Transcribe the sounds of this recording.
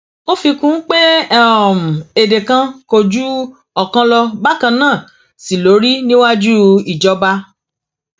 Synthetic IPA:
o˦fi˧kũ˨˦k͡pe˦ɛ˦ɔ˨mũ˨e˨de˨kã˧ko˧d͡ʒu˦ | ɔ˦˨kã˧lɔ˧ba˦˨kã˧nãː˦˨ | si˨lo˨˦ɾi˦nĩ˦wa˦d͡ʒu˦i˨d͡ʒɔ˨˧ba˧

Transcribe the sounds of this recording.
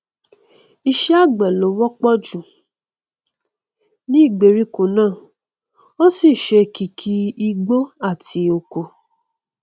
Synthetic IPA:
i˧ʃɛ˦a˦˨ɡ͡bɛ˨lo˨˦wɔ˦k͡pɔ˦d͡ʒũ˨ | nĩ˦i˦˨ɡ͡be˨˦ɾi˦ko˨nãː˦˨ | o˦si˦˨ʃe˧ki˧kʰi˧i˧ɡ͡bo˦a˦˨ti˧˦o˧ko˨

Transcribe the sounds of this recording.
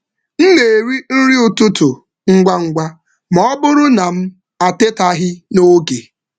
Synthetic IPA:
n̩˦ne˨ɾi˦n̩˦ɾi˦ʊ˨tʊ˦tʊ˨ | ŋ̩˦ɡʷa˦ŋ̩˦ɡʷa˦ | mɔ˦bʊ˦ɾʊ˦na˨m̩˦ | a˨te˦ta˦ɦɪ˦no˦ɡe˨

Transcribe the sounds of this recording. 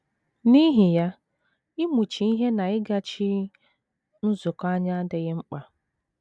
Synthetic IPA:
ni˦ɦi˨ja˦ | ɪ˦mu˨t͡ʃi˨i˦ɦe˦na˨ɪ˦ɡa˦t͡ʃi˦ | n̩˦zʊ˨ka˦ɲa˦a˦dɪ˨ɣɪ˦ŋ͡m̩˦k͡pa˨

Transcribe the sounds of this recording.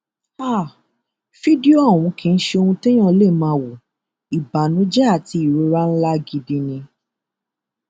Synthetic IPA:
a˦˨ | fi˦di˦o˦a˦˨w̃ũ˨˧kĩ˨˧n̩˦ʃe˧o˧hũ˧te˦j̃ã˦˨˦le˦˨mãː˧˦wo˨ | i˨ba˨nũ˨˦d͡ʒɛ˦a˦˨ti˧i˦˨ɾo˨˧ɾa˦n̩˦la˦ɡi˧dĩ˧nĩ˧

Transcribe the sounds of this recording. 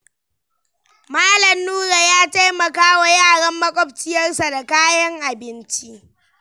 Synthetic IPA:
maː˦lɐ˨mnuː˦ɾa˨jaː˦ta˦jmɐ˨kaː˦wa˨jaː˦˨ɽɐ˦mːɐ˦kʷʼɔ˦bt͡ʃɪ˦jɐ˦rsa˨da˨kaː˦jɐ˦ŋʔa˨bɪ˦nt͡ʃi˦ʔ

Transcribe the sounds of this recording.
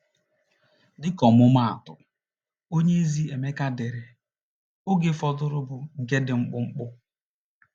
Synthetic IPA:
dɪ˦kɔ˨mʊ˦ma˦˨a̰˨tʊ̰˨ | o˦ɲe˦zi˦e˨me˦ka˦de˨ɾɪ˨ | o˦ɡɪ˦fɔ˦dʊ˦ɾʊ˦bʊ˨ŋ̩˨ke˦dɪ˨ŋ͡m̩˦k͡pʊ˦ŋ͡m̩˦k͡pʊ˦

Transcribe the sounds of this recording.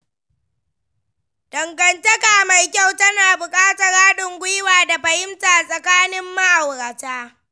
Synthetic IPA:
d̥ɐ˨ŋɡɐ˨ntɐ˦kaː˨ma˨jkʲa˦˨wtɐ˦naː˨bʊ˨kʼaː˦tɐ˨ɾaː˦ɗɪ˨ŋɡʷʊ˦jwaː˨da˨ɸɐ˨jɪ˦mtaː˨sʼɐ˨kaː˦nɪ˦mːa˦ʔa˨wɾa˨taː˦

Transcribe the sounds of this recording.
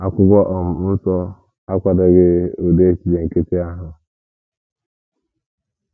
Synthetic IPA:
a˨kʷʊ˦ɡʷɔ˦ʔɔ˨m̩˨˦n̩˦sɔ˦ | a˦kʷa˦da˦ɡe˦o˨de˦e˦t͡ʃi˨de˨ŋ̩˨ke˦te˦a˦ɦʊ˦

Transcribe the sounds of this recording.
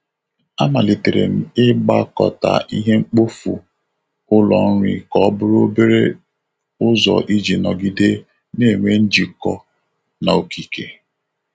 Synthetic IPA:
a˦ma˨li˨te˨ɾḛ˨m̩˨ɪ˦ɡ͡ba˦˨kɔ̰˨ta̰˨ʔi˦ɦe˦ŋ͡m̩˦k͡po˦fṵ˨ | ʊ˦lɔ˨n̩˦ɾʷi˨kɔ˦bʊ˦ɾo˦be˦ɾe˦ | ʊ˦zɔ̰˨ʔi˦d͡ʒi˨nɔ˨ɡi˦de˦ | ne˦˨ŋʷe˦n̩˦d͡ʒi˨kɔ˦ | na˨o˨ki˨ke˨

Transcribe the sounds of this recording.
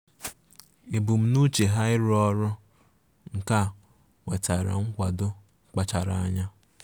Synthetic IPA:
e˨bu˨m̩˨nu˦t͡ʃe˨ɦa˦ɪ˦ɾɔ˦ɾʊ˦ | ŋ̩˨ka˦˨ | ŋʷe˨ta˨ɾa̰˨ŋ̩˦kʷa˨dʊ˦ | k͡pa˦t͡ʃa˨ɾa˨a˦ɲa˦

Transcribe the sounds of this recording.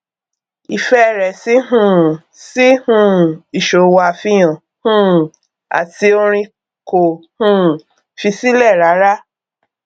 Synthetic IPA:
i˨fɛ˦˨ɾɛ˨si˦ɦũ˦˨ | si˦hũ˦˨i˨ʃo˨wa˨fi˧j̃ã˨ | hũ˦˨ | a̰˨ti˧o˧ɾ̃ĩ˧ | ko˨hũ˦˨ | fi˧si˦lɛ˦˨ɾa˨˦ɾa˦

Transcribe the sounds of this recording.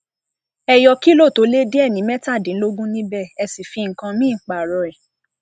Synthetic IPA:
ɛ˧jɔ˧ki˦lo˦˨to˨˦le˦de˦ɛ˦˨nĩ˨˦mɛ˦ta˦˨dĩ˨˦lo˦ɡũ˦nĩ˦bɛ˦˨ɛ˧si˨fi˧ŋ̩˨kã˧mĩ˦˨k͡pa˨ɾɔ˧ɛ˨

